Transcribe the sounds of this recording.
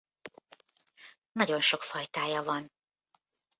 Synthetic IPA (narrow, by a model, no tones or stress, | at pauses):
nɒɟo̞nʃo̞kfɒjt̪aːjɒvɒn